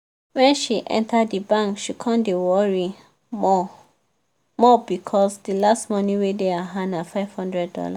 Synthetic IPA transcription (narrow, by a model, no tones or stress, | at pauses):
wɛ̃nʃiʔɛ̰̃ntʰadːibãŋkʃikʰãndewɔɹi | ɔ | mɔbikʰɔsdilastmɔniwedeaɦãnafaɪv̥hɔ̃ndɹɛd̚dɔ̰la̰